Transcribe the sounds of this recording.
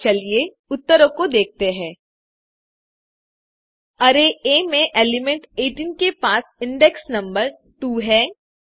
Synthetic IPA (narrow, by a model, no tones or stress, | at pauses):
t͡ʃɐlie | ʊt̪ːəɾõkod̪eːk̚ʰt̪eɦɛ̃ː | ɐɾeemẽʔeːlɪmɛ̃ɳʈeːʈinkepaːsɪ̃ɳɖɛksnɐ̃mbəɾ | ʈuːɦɛː